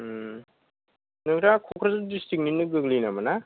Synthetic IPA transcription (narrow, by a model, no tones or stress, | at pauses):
nɯɡɾakʰɔkʰɾazɯdistik̚ninːɯɡɯɡlinamana